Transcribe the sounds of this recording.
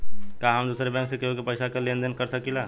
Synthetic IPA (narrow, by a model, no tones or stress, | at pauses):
kaːɦɐmd̪uːsɾebɛ̃ːŋksekeɦokepɐjsakalẽːnd̪ənkɐɾsɐkilaː